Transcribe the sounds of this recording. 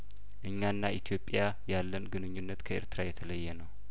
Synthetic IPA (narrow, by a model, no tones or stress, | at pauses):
ʔɨɲːanːaʔit̪ʰijo̞pʼːja | jalːənɡɨnɨɲːunːət̪kʰəʔḛɾt̪ɨɾajɛt̪ʰələjːɛnəw